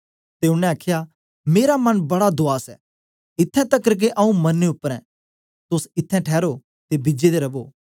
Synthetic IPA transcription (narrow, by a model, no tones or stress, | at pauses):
t̪eːʊnɛ̃aːkʰɪja | meːɾamɐnbɐɽad̪oaːsɛ̰ | ɪt̪ʰːɛ̃t̪ɐkəɾk̬eʔɐ̃ũmɐnːeʊpːəɾɛ̃ | t̪ʊsɪt̪ʰːɛ̃ʈʰɛːɾo | t̪ebɪd͡ʒed̪eɾɐboː